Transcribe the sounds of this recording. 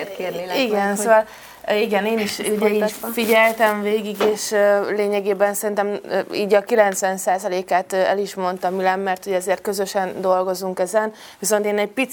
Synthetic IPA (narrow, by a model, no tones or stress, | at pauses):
kːrniiɡɛnsoːvɒl | iɡɛneːniʃuɟɛifiɟɛlt̪ɛɱveːɡiɡeːʃleːɲɛɡeːbɛnsɛɾint̪ɛmḭːɟɒkilɛnt̪sʋɛnsaːzɒleːkaːt̪ɛ̰liʃmo̞nt̪ɒmilɛmːɛrt̪huɟɛzeːrt̪̚køzøʃɛnd̪o̞lɡo̞zuŋkɛzɛn | ʋiso̞nt̪eːnɛɟ̚pit̪